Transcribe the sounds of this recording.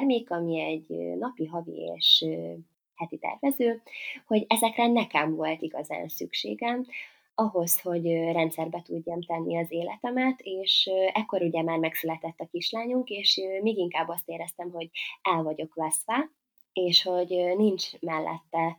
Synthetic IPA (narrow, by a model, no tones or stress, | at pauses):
rmeːkɒmiɛɟønɒpiɦɒvḭḛːʃø | hɛt̪it̪ɛ̰rvɛzøːho̞ɟɛzɛkrɛnɛkɛmvo̞lt̪iɡɒza̰ːnsykʃḛːɡɛm | ɒɦo̞sho̞ɟrɛnt̪sɛrbɛt̪uɟːɒmt̪ɛnːiɒzeːlɛ̰t̪ɛmɛt̪eːʃɛkːo̞ɾuɟɛmaːrmɛksylɛt̪ɛt̪ːɒkiʃlaːɲuŋkeːʃmeːɡiŋkaːbːɒst̪eːɾɛst̪ɛmɦo̞ɟɛlvɒɟo̞kʋɛsʋɛ | eːʃho̞ɟnint͡ʃmɛlːʔɛ̰t̪ːɛ